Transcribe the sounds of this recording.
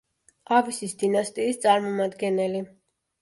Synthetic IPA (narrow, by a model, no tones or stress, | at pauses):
avisisd̪inast̪ʼiːst̪sʼaɾmɔmad̪ɡɛnɛli